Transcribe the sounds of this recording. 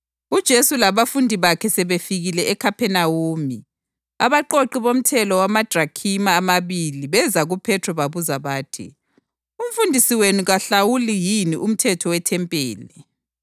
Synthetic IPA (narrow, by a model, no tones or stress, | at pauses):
ud̥ʒ̥ʱesulaβafundʱiβakʰɛsɛβefiɣilɛɛkʰapʰɛnawoːmi | aβaǃoǃiβom̩tʰɛlɔwamad̥ʱrakʰimaːmaβiliβɛzaɣupʰɛtʰɔβaβuzaβaːtʰḭ | um̩fundʱisiwenuɣaɬawulijiniʔum̩tʰɛtʰɔwɛtʰɛmpʼeːlɛ